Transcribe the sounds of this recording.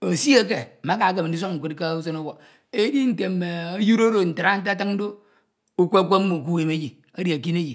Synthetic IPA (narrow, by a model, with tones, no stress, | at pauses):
o˨si˦a˦k̬e˨ma˦ka˨˦ke˨m̩˨di˦s̬o˦kŋ̩˨kʷe˦tka˦u˦so˦no˦wo˨ | e˦di˦n̩˦˨te˨˦me˨o˦ju˦ɾo˦ɾo˨n̩˨ta˨ɾa˦n̩˦ta˦ta˦ŋn̩˦do˦ | u˦kʷe˦kʷo˦mu˨ku˦we˨me˦d͡ʒi˨ | a˦di˨a˨ki˦ne˦d͡ʒi˨